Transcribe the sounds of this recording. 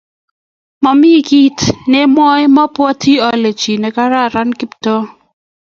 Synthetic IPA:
mɔ˨mi˦ki˦tne˦mwɔ˦jmɔ˦pwɔ˦tʰi˦ɔ˨le˨t͡ʃi˨nɛ˨ka˦ɾa˦˨ɾa˦nkɪ˦ptɔ˦

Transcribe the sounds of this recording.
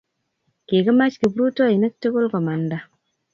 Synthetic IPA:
ke˨ɡa˦ma˦t͡ʃki˨bɾu˦to˦i˨na˦tːe˦ɡo˦lkɔ˨ma˨nda˦

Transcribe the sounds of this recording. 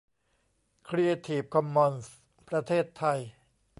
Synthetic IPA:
kʰɾi˧a˧t̪ʰiː˨˩p̚kʰɔ˧mːɔ˧ns | pɾa˧t̪ʰeː˥˩t̪ʰːa˧j

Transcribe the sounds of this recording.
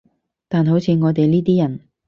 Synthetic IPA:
t̪aː˨nɦo˨˥wt͡sʰiː˨˧ŋɔː˨˧t̪̬e˨jliː˥t̪̬iː˥jɐ˨˩n

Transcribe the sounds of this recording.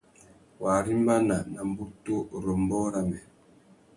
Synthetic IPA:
wa˨ɾi˦mba˦na˨na˨m˦bu˦to˦ɾɔ˨mbɔ˦ɾa˦mɛ˨

